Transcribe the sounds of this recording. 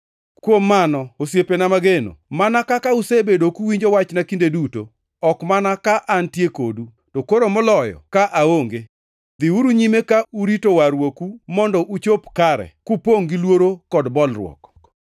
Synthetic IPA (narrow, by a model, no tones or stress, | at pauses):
kwomːanɔosjepenamaɡeno̰manakakausebedokuwiɲd͡ʒowat͡ʃnakindeduto | ɔkmanakaʔantjekodu | tokoɾomɔlɔjɔ̰kaʔaoŋɡe | d̪ɪuɾuɲimekauɾitowaɾwokumɔndɔʔut͡ʃopkaɾɛ̰kupoŋɡilwoɾokɔdbɔlrwɔ̰k